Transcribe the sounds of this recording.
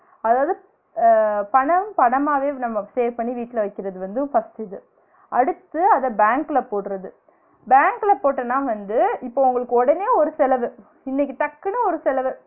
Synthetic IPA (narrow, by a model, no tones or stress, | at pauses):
ɐðaːʋɐðɯ | pɐɳɐpɐɳɐmaːʋeːnɐmːɐseːɾpɐɳːiʋiːʈːɪlɐʋɐɪkːɪɾɐðɯʋɐnd̪ɯfɐstɪðɯ | ɐɽɯt̪ːɯɐðɐbaːŋklɐpoːʈːɯɾɐðɯ | baːŋklɐpoːʈːɐnːãːʋɐnd̪ɯɪpːoːʊŋɡɐɭɯkːɯɔɽɐneːɔɾɯsɛlɐʋɯ | ɪnːɛk̬ːiʈ̪ɐkːɯnɯɔɾɯsɛlɐʋɯ